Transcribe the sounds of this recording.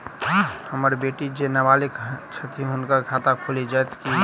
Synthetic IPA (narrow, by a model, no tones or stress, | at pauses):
həmɾbeːʈid͡ʒenəʋaːlekt͡ʃʰət̪iɦʊnkakʰaːt̪akʰolid͡ʒajt̪ʰki